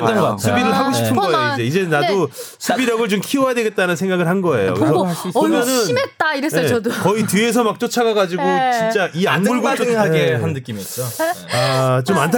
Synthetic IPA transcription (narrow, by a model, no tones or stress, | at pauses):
sʰubiɾɯɭɦaɡoɕi̥ppʰɯnɡʌejoid͡ʑe̞id͡ʑe̞nadosʰubiɾjʌɡɯɭt͡ɕomkʰiojadwe̞ɡe̞t̚t͈anɯnsʰe̞ŋɡaɡɯɭhanɡʌe̞jo̰kkɾesʰʌkɯmjʌnɯnnimet̚t͈aiɾesʌdokʌitie̞s̬ʰʌmak̚t͡ɕ͈ot͡ɕʰaɡaɡad͡ʑiɡot͡ɕint͡ɕ͈aʔianmuɭɡŋɦaɡeannɯk͈imit͡ɕ͈oat͡ɕomantʰ